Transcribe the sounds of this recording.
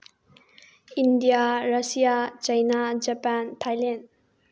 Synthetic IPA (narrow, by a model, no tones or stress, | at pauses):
indijaɾasijat͡ʃajnad͡ʒapantʰajlend